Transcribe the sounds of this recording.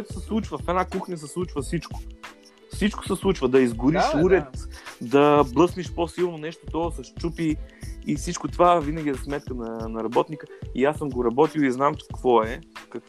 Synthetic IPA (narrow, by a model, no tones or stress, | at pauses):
koɛt̪ʊ̥sɛslˠut͡ʃvəfɛnakuxnʲəs̬ɛslˠut͡ʃvəsit͡ʃko̥ | fsit͡ʃkoʊ̥sɛslˠut͡ʃvəd̪ɐizɡʊɾiʃuɾɛt̪d̪ɐblˠɤsniʃposilˠnonɛʃt̪ot̪ɔsɐʃt͡ʃupiifsit͡ʃkot̪ovavinəɡʲizɐsmɛt̪̚kənɐnɐɾɐbɔt̪nikəiasːəmɡoɾɐbɔt̪iwˠiznamkvɔɛkɐk